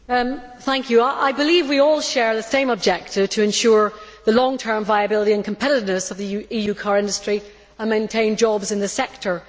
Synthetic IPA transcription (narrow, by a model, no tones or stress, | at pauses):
θæ̃ŋkʰjɨaʔa̰ɪbɨlivwiɔlˠʃɛɹðɨsẽɪ̃məb̚d͡ʒɛk̚tɨv̥tʰɨɨ̃nʃʊɹðəlɔ̃ŋtʰɜ̃˞ɱvaɪɨbɪlˠəɾiɨ̃nkʰə̃m̩pʰɛɾɨɾɨvnɨsʌvðiijʉkʰɑɹɪ̃ndəstɹ̥i | ə̃nmẽɪ̃ntʰẽɪ̃nd͡ʒɔbzɨ̃nðɨsɛk̚tʰə˞